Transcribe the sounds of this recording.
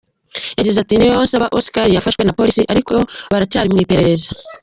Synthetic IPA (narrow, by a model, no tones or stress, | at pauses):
jaɟizatinijoonsaβaʔosi̥kaɾijafaʃwe̞napo̞ɾisiʔaɾiko̞βaɾat͡ʃaːɾimŋiːpe̞ɾe̞ɾe̞zḁ